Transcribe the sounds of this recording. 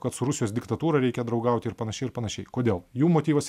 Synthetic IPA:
kɐt̪sʊɾʊsʲɪjoːsd̪ʲɪkt̪ɐt̪uːɾɐɾʲɛɪkʲɛd̪ɾɐʊɡɐˑʊt̪ʲɪɪɾpɐnɐʃʲɛɪɾpɐnɐʃʲɛɪkoːd̪ʲeːlˠjuːmoːt̪ʲiːʋɐsʲ

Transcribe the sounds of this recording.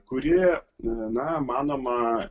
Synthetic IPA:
kʊɾʲɪ | nɐmɑːnoːmɐ

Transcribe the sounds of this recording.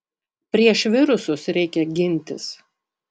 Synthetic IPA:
pʲɾʲiɛʃʋʲɪɾʊsʊsɾʲɛɪkʲɛɡʲɪnʲˑt̪ʲɪs

